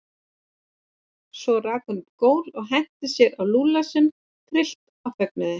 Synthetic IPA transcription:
sɔraːkʏnkoːwlɔɣɦɛn̥t̪ɪsjɛɾawluːlasɪn | k̪ʰɾɪl̥t̪ | afɛk̚nʏðɪ

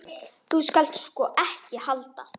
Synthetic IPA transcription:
θuskal̥t̪skɔʔɛhcɪhalt̪a

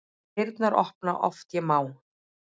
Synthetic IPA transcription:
ɪɾt̪naɾɔ̰hpna̰ʔɔ̰ft̪jɛmaːw

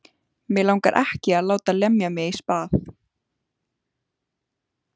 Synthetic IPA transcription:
mɪlaːwŋkaɾʔɛ̰hcɪaðlaːwt̪alɛmjamɪispaːθ

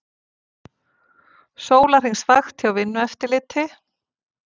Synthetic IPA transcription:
soːwlaɾr̥ijnsvaxt̪ʰɪawvɪnːʏɛft̪ɪlɪːt̪ʰɪ

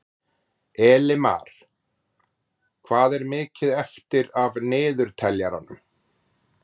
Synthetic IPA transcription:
ɛːlɪma̰ːɾ̥ | kʰvaːðɛɾmɪːcɪðɛft̪ɪɾavnɪːðʏɾ̥t̪ʰɛljaɾa̰nʏm

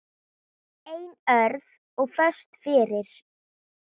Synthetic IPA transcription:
ejnœɾð | ɔɣfœst̪fɪːɾɪɾ̥

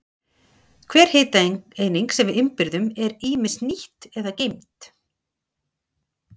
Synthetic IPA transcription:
kʰvɛːɾ̥heːt̪eːjniŋksɛmvɪðʏmpɪɾðʏmɛɾiːmɪsniht̪ɛðacejm̥t̪

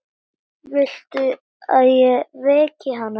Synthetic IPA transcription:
vɪl̥t̪ʏ | aðjɛvɛːcɪɦanːa

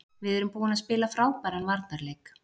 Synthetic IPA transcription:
vɪðɛɾʏmpoːwɪnaðspɪːlafɾaːwpajɾanvaɾt̪naɾleːjk

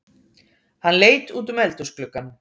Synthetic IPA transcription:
hanleːjt̪uːt̪̬ʏmɛlt̪ʏsklʏkːan

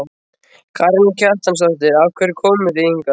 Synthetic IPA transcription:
kʰaɾncʰar̥t̪amsalt̪̬ɪɾavkʰvɛɾɪkʰɔːwmʏðejiŋka

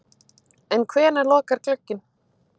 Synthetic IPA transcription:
ɛnkʰvɛːnalɔːkaɾ̥klœcːɪn

